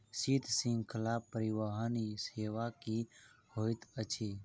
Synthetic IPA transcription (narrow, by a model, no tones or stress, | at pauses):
siːt̪ʰsĩŋɡkʰəlaːpːəɾɪʋaɦəniseːʋakihoːɪt̪ət͡ʃʰeː